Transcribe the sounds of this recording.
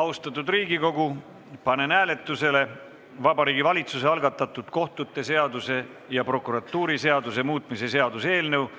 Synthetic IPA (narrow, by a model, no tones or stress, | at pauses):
ɑust̪ɑt̪ːˑud̪riːɡiko̞ɡ̥u | pɑne̞næːle̞t̪ˑːuse̞le̞ | vɑbɑɾiːɡivɑlʲit̪sus̬e̞ɑlɡɑt̪ːˑɑt̪ːˑud̪̥ko̞ht̪ˑut̪ːˑe̞se̞ɑd̪use̞ | jɑpro̞kːˑuɾɑt̪ːˑuːɾise̞ɑd̪use̞muːt̪ˑmise̞se̞ɑd̪use̞ːlnew